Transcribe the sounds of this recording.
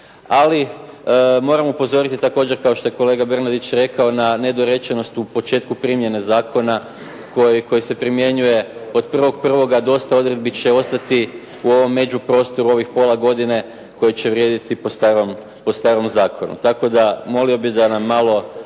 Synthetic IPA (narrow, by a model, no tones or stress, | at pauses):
ali | mo̞ːɾamupo̞zo̞ɾit̪it̪ako̞ːd͡ʑe̞ɾkao̞ʃt̪o̞jeko̞le̞ːɡabrnad̪it͡ɕɾe̞kao̞nane̞d̪o̞ɾe̞t͡ʃeno̞st̪upo̞t͡ʃe̞ːt̪kupɾimje̞ne̞zaːko̞na | kojiko̞jise̞pɾimje̞ɲuje̞o̞d̪pr̩ʋo̞ɡ̚pr̩ʋo̞ɡad̪o̞st̪ao̞d̪ɾe̞d̪̚bit͡ɕe̞o̞st̪at̪i | uo̞ʋo̞mːe̞d͡ʑupɾo̞ːst̪o̞ɾuo̞ʋixpo̞lˠaɡo̞d̪ine̞ | ko̞jit͡ɕe̞ʋɾje̞ːd̪it̪ipost̪aɾom | po̞st̪aːɾo̞mzaːkʰo̞nṵt̪ako̞d̪amo̞lio̞bid̪anamːaːlo̞